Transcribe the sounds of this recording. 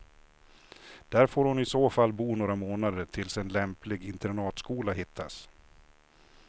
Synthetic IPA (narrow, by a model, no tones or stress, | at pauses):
d̪̥æːɾfoːɾhʊnɪsoːfalːbuːnoːɾamoːnad̪əʈʰɪlsɛnlɛmplɪɡɪnt̪ɛɾɳɑːt̪skuːlaɦɪt̪ʰːas